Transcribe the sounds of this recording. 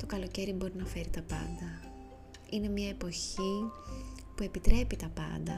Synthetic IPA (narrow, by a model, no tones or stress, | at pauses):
t̪o̞kɐlo̞ce̞ɾibo̞ɾinɐfe̞ɾit̪ɐpɐ̰nd̪ɐ | ine̞mɲɐe̞po̞çi | pue̞pit̪ɾe̞pit̪ɐpɐ̰nd̪ɐ̰